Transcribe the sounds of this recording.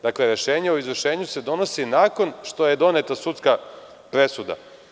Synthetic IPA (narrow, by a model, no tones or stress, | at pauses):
d̪akleɾeʃeːɲeoizʋvr̩ʃe̞ːɲuse̞d̪o̞no̞sinaːko̞nʃt̪o̞jed̪o̞net̪asut̪ska | pɾe̞sud̪a̰